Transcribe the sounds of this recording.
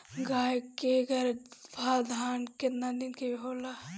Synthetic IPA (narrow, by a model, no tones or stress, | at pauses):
ɡaːjkeɡɐɾbʱaːd̪ʱaːnkenaninkeɦoːla